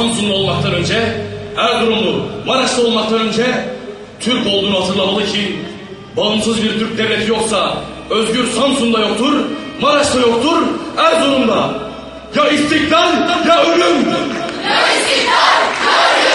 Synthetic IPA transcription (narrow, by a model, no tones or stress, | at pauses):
amsuŋd̪ao̞lˠmak̚t̪ʰanønd͡ʒɛæɾd̪uɾumlˠumaɾaʃlˠɯo̞lˠmak̚t̪ʰanønd͡ʒɛ | t̪ʰyɾcolˠd̪unat̪ʰɯnd̪ˠabalˠɯcʰi | balˠɯmsɯzbiɾt̪ʰyɾc̚ʲd̪evlːet̪ʰijo̞qsa | øzɟyɾsamsuŋd̪ajoqt̪ʰuɾmaɾaʃlajo̞qt̪ʰuɾæɾd̪uɾumd̪a | jaist̪ʰikd̪aljaøɾyn